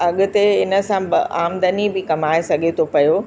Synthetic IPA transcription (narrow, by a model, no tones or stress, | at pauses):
ɐɠʊ̆t̪eɪnə̆sãbaːmd̪ənibɪkɐmaːesɐɡʱet̪ʰopɐjoː